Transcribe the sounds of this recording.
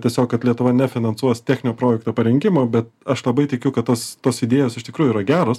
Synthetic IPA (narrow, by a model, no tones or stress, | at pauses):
tʲiɛsʲoːkkɐt̪lʲiɛt̪ʊʋɐnʲɛfʲɪnɐnsuɔst̪ʲæːxʲnʲɪnʲoːpɾoːjɛkt̪oːpɐɾʲɛŋʲkʲɪmoːbʲɛt̪ɐʃlˠɐbɐɪt̪ʲɪkʲʊkɐt̪t̪ːoːst̪oːsɪd̪ʲeːjoːsɪʃtʲɪkɾuːjʊiɾɐɡʲæːɾoːs